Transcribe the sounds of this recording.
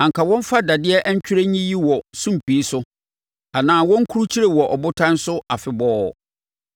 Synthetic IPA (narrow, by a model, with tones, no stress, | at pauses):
ã˨ŋkʰa˨wɔ̃˦m˦fa˦da˨dɪ˦ɛ˦ʔɛ˦ɲ˦t͡ɕᶣɪ˦ɾe˦ɲĩ˦ji˦wɔ˨sũ˦m˨pi˨˦sʊ˦ | a˨nãː˨wɔ̃˦ŋ̩˦kʰu˦ɾu˦t͡ɕʰi˦ɾe˨wɔ˨ʔɔ˨bʊ˦tʰã˦n̩˦sʊ˦a˨fɪ˨bɔː˦˨